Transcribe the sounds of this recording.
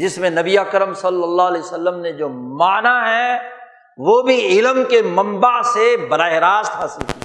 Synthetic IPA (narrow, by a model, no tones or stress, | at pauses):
d͡ʒɪsmẽnɐbiaːkəɾəmsɐlːəlːaːɦlɛsəlːəmned͡ʒoːmaːnaɦɛ | ʋoːbʱiɪlmkemɐ̃mbasebɐɾaːɪɾaːzt̪haːsɪlki